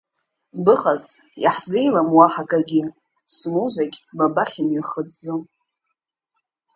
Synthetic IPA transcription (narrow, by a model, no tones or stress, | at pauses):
bɨχaz | ja̰ħzijlamwaħakʼaɡʲi | smuzaɡʲbabaχʲimɥiχəd͡zzo